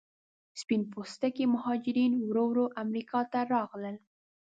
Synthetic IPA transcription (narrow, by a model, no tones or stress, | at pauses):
spinpost̪akemʊhɑd͡ʒɪɾinwɾowɾoʔamɾikɑt̪aɾɑɣləl